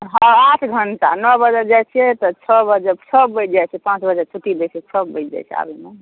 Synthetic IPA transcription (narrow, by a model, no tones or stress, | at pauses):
ɦɔaʈʰɡʱənʈa̰nɔbəd͡ʒəɾd͡ʒajt͡ʃʰijet̪ɔt͡ʃʰɔbəd͡ʒəbsʰəbət͡ʃʰd͡ʒajt͡ʃʰɛpãt͡ʃbəd͡ʒat͡ʃʰuʈid̪et͡ʃʰɛt͡ʃʰɔbːət͡ʃʰd͡ʒa̰jt͡ʃʰɛ̰a̰bʱime